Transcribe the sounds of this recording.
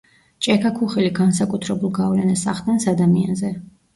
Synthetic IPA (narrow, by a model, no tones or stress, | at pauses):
t͡ʃʼɛkʰakʰuχɛliɡans̬akʼut̪ʰɾɛbulˠɡavlɛnasaχd̪ɛnsad̪amianzɛ